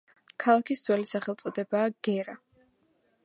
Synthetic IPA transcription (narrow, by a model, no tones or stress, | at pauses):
kʰalˠakʰisd̪z̥wɛlisaχɛlˠt̪sʼɔd̪ɛbaːɡ̥ɛɾa